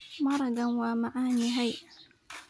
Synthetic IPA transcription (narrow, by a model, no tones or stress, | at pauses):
mɑɾˤɑɡanwamaʕaːniːɦajʔa